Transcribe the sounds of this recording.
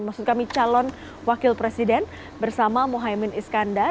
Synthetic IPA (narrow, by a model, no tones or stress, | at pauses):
maksʊt̪̚kamit͡ʃalɔn | wakɪlpɾesidɛn | bərsamamoɦaimɪniskanda